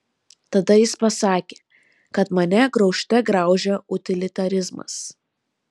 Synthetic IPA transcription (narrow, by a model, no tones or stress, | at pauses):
t̪ɐd̪ɐjɪspɐsɑːkʲeː | kɐt̪mɐnʲɛɡɾɒʊʃʲt̪ʲɛɡɾɑˑʊʒʲɛʊt̪ʲɪlʲɪt̪ɐɾʲɪzmɐ̰s